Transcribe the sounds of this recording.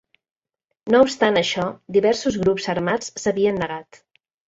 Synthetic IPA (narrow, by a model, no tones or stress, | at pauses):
noupst̪anəʃɔd̪iβɛɾsuzɣɾupzəɾmat͡ssəβiənːəɣat̪